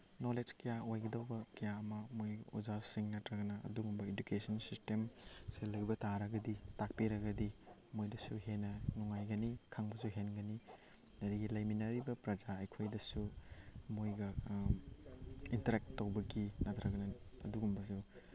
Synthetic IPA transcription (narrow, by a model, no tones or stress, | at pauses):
noled͡ʒkɐjaojɡɐdɐwbɐkɐjaɐmɐmojud͡ʒasiŋnɐtɾɐɡɐnɐɐ̰duɡumbɐedukesɐnsistemselɐjbɐtaɾɐɡɐditak̚piɾɐɡɐdimojdɐsuɦenːɐnuŋajɡɐnikʰaŋbɐsuɦenɡɐni | ɐdiɡilɐjminɐɾibɐpɾɐd͡ʒaɐjkʰojdɐsumojɡɐ | intɐɾek̚ttːowbɐɡinɐtʰɾɐɡɐnɐɐduɡumbɐs̬u